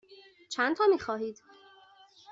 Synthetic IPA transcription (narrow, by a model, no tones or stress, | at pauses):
t͡ʃʰænt̪ʰɒːmiːxɒːɦiːd̪̥